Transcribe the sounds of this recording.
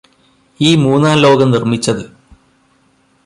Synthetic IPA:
iːmuːnːaːnlo̞ːɡɐmnirmit͡ɕːɐðɨ

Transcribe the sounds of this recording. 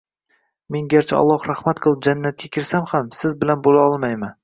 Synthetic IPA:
me̞ŋɡʲaɾt͡ʃʰaɒ̰lˠːɒhɾahmat̪qʰɨlˠɪp̚d͡ʒanːat̪̚kʲakʲʰɪɾsamhamsɪzbɪlanbolaɒlˠmajman

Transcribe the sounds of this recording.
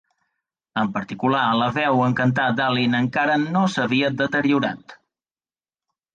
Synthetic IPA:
əmpəɾt̪ikulaləβɛwəŋkənt̪̬ad̪alinəŋkaɾənosəβ̞iəd̪ət̪əɾiuɾa̰t̪

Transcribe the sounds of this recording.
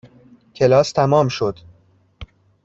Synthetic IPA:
cʰe̞lɒːst̪ʰæmɒːmʃo̞d̪̥

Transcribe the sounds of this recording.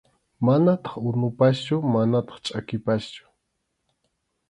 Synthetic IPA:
manat̪ɑ̥χʊnʊpast͡ʃʊmanat̪ɑ̥χt͡ʃʼakɪpast͡ʃʊ̥

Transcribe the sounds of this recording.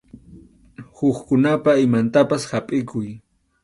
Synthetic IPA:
hʊχkʊnapaɪmant̪apashapʼɪkʰʊj

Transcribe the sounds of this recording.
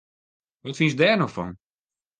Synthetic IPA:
ʋɔtfinsdɛːrnofɔ̰n

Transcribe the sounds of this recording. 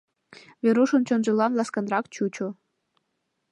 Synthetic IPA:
βeɾuʃɤnt͡ɕonʒɤlɑnlɑskɑnrɑkt͡ɕut͡ɕo

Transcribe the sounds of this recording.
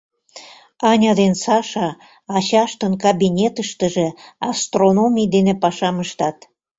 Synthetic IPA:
ɑnʲɑd̪ensɑʃɑ | ɑɕɑʃt̪ənkɑbinʲet̪əʃt̪ə̆ʒĕɑst̪ronomʲijd̪enepɑʃɑməʃt̪ɑt̪

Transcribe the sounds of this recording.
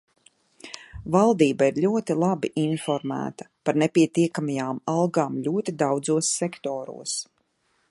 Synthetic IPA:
valˠd̪iːbaiɾʎʲuɔt̪ilˠabiʔinfɔɾmæ̰ːt̪ḁpaɾnepʲiɛt̪iɛkamajaːmalˠɡaːmʎʲuɔt̪id̪awd̪zuɔsːɛkt̪ɔːɾṵɔs

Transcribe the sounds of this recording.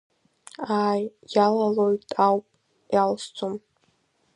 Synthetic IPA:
aːjjalalojtʼawpʼ | jalst͡sʰom

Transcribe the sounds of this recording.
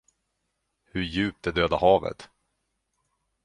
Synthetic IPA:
hɵjʉ̟ːp̚t̪ɛd̪øːd̪ahɑːvə̰t̪

